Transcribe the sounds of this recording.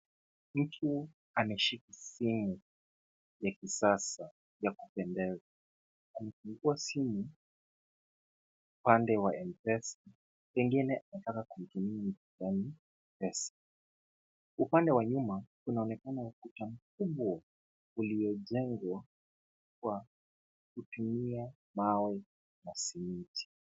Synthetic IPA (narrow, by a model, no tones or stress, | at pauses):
m̩tʰu | anɛʃikisimu | jakisasa | jakupɛndɛza | kumɛfuŋɡuasimu | upandɛwaɛmpɛsa | pɛŋɡinɛʔanatakakum̩tumiam̩tijani | pɛsḁ | upandɛwaɲumakunaɔnɛkanaukutam̩kubɔ | uliɔʄɛŋɡwa | kwa | kutumia | mawɛ | nasimitʰi̥